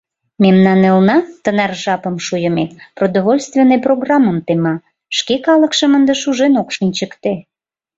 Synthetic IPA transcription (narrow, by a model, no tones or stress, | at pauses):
memnɑnelnɑt̪ənɑrʒɑpəmʃujə̆meprod̪oβolʲst̪vʲenːeproɡrɑmːəmt̪emɑ | ʃkekɑləkʃəmənd̪eʃuʒenokʃənʲt͡ɕəkt̪e